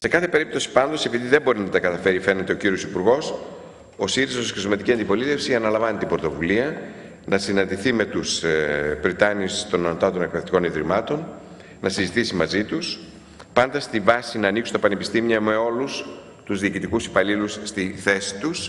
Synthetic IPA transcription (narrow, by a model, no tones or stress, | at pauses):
se̞kɐθe̞pe̞ɾip̚t̪o̞si̥pɐnd̪o̞sepiðiðe̞mbo̞ɾinɐt̪ɐkɐt̪ɐfe̞ɾife̞ne̞t̪e̞o̞ciɾio̞sipuɾɣo̞s | o̞siɾizɐsskezmɐt̪iciɐnd̪ipo̞lit̪e̞fsiɐnɐlɐɱvɐnit̪ibɾo̞t̪ovuliɐ | nɐsinɐ̃nd̪iθime̞t̪usbɾit̪ɐnist̪o̞nɐnot̪ɐt̪o̞nek̚peðeft̪i̥ko̞niðɾimɐt̪o̞n | nɐsizit̪isimɐzit̪us | pɐnd̪ɐst̪ivɐsinɐːniksunt̪ɐpɐnepi̥st̪imiɐme̞o̞lus | t̪uzðiːcit̪ikusi̥pɐlilusːt̪iθe̞si̥t̪us